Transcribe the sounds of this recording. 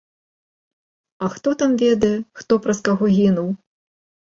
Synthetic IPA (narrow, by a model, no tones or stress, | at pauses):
ɐxt̪ɔt̪amvʲɛd̪ɐjɛxt̪ɔpɾɐskaɣɔɣʲinuw